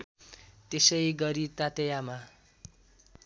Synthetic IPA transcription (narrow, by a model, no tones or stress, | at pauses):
t̪esʌjɡʌɾit̪at̪ejama